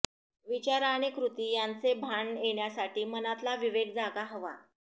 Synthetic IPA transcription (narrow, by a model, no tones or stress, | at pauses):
ʋit͡ɕaɾaɽ̃ikɾut̪iːjant͡sebʱaɳjeɳjasaʈiːmənat̪laʋiʋeɡ̚d͡zaɡaɦəʋa̰